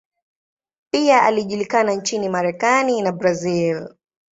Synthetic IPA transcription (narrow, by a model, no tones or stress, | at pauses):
piaʔaliʄulikanant͡ʃinimaɾɛkaninabɾazil